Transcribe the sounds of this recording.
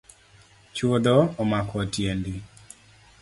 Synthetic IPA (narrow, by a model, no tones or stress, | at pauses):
t͡ʃod̪ɔːmakʰɔtjendi